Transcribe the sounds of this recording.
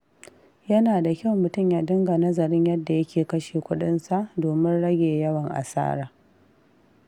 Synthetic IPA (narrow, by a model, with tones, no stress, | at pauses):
jɐ˦naː˨da˨kʲa˦˨wmʊ˨tʊ˦mjaː˨dɪ˦ŋɡa˨nɐ˦zɐ˨ɾɪ˦ɲjɐ˦dːa˨jɐ˦kʲeː˨kɐ˦ʃeː˨kʷʊ˦ɗɪ˦nsa˨ʔdoː˨mɪ˦nɽɐ˦ɡʲeː˨jɐ˦wɐ˨ŋʔa̰˨sa̰ː˦ɾaː˨